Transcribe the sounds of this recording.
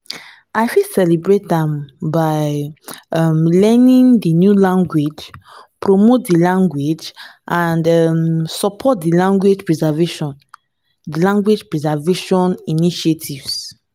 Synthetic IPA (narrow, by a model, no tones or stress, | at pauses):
aɪfisɛlibɹetɛ̃mbaɪ | amlɛnĩŋdinjulãŋɡwed͡ʒpɹomot̚dilãŋɡwed͡ʒʔãndɛmsɔpʰɔt̚dilãŋɡwed͡ʒpɹizɛveʃɔ̃n | dilãŋɡwed͡ʒpɹizaveʃɔ̃niniʃetʰivs